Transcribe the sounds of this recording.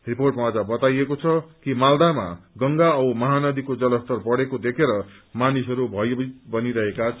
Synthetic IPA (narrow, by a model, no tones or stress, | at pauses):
riporʈmaad͡zabʌt̪ajekot͡sʰʌkimald̪ama̰ɡʌŋɡaʌwmʌɦanʌd̪ikod͡zʌlʌst̪ʌrpʌɽekod̪ekʰeɾʌ | manisɦʌɾubʱʌjbʌniɾʌɦeka